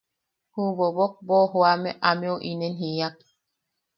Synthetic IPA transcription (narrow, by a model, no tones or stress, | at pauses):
huβobok̚bohoameʔameoʔinenɦiak̚